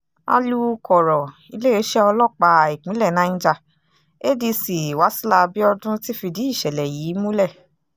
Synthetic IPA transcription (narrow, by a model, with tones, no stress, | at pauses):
a̰˧lu˦˧kɔ˨ɾɔ˨ | i˧le˦e˦ʃɛ˦ɔ˧lɔ˦˨k͡pa˧˨i˨k͡pĩ˨˦lɛ˦˨nã˨˦ñ̩˦d͡ʒa˧ | e˦di˧si˨wa˨˦si˦la˧bi˦ɔ˧dũ˦ti˦fi˧di˨˦i˦˨ʃɛ˨lɛ˨jiː˨˦mũ˦lɛ˦˨